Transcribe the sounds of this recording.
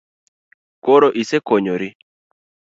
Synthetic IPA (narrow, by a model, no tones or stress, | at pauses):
koɾoʔisekoɲoɾi